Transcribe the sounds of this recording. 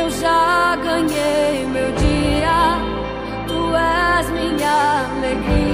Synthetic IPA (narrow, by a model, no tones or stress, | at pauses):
ewʒaɡɐɲej | mewd̪iɐ | uɛzmĩɲameɡi